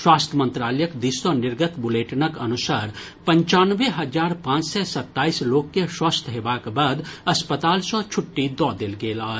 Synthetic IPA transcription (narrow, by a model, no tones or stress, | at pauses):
swaːst̪ʰəmə̃nt̪ɾaːləjəkd̪isɔnɪɾɡət̪bʊleːʈnəkənʊsaːɾ | pə̃ɲt͡ʃaːnʋeɦɐd͡ʒaːɾpãːt͡ʃsɛsɐt̪ːaːisloːkːeswaːst̪ʰəɦebaːkbaːd̪ɐspət̪aːlsɔt͡ʃʰʊʈːid̪ɔːd̪eːlɡeːlaː